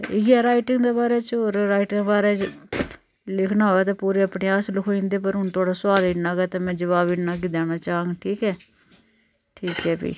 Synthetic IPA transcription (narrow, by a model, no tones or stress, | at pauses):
ɪɡɛːɾaːɪʈɪŋɡd̪eːbaːɾeːt͡ʃoːɾɾaːiʈɪŋbaːɾɛː | lɪkʰnaːɦoɛːt̪ãːpuːɾeːəpɽeːaːslʊkʰoĩnd̪eːpəɾɦʊnt̪ʊaːɽaːsʊaːd̪inaːɡɛːt̪ãːmɛ̃ːd͡ʒəʋaːbinaːɡɪd̪aːnaːt͡ʃaːõŋɡʈʰiːkɛː | ʈʰiːkɦɛːbḭː